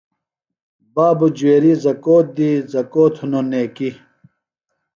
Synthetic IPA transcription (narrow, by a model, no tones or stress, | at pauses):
baːbud͡ʑueːɾizɐkoːt̪̚d̪izɐkoːt̪ʰhunoneːki